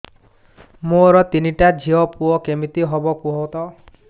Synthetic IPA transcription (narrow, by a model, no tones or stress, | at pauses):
moɾɔt̪iniʈad͡ʒʱiɔpuɔkemit̪iɦɔbɔkuɦot̪ɔ